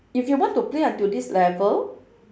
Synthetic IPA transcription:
ifjuwɔ̃ntuplĩãntudislɛvəl

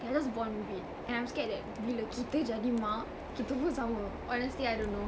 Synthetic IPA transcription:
ad͡ʒas̬bɔ̃nmibit̚ | ɛ̃nãjmskɛʔ̚dɛt̚wiləkʰit̪əd͡ʒadima | kit̪əwəsãwə̃ʔɔnəstliajdõnːo

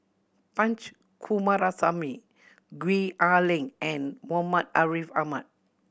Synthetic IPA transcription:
pãnt͡ʃ | kʰumaɾasami | ɡwialĩŋɛ̃nwɔmat̚aɹifama̰t̚

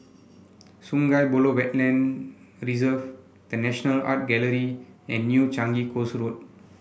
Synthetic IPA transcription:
sũŋɡajbolowɛt̚lɛ̃n | ɹizəv | d̥ənɛʃənəla̰t̚ɡɛləɾiɛ̃nːjut͡ʃãŋɡikosɹot̚

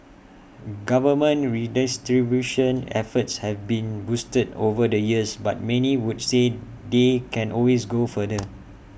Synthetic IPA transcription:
ɡavəmə̃nɹidistɹibjuʃə̃nɛ̰fətshɛvbĩnbustədovədəjiəsbat̚mɛ̃niwudse | dekʰɛ̃nʔɔlwesɡofədə

